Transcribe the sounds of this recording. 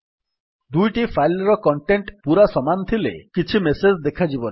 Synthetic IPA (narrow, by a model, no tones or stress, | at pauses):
d̪ujʈifʰajlɾɔkɔɳʈeɳʈpuɾasɔmant̪ʰilḛkit͡ʃʰimesed͡ʒd̪ekʰad͡ʒibɔna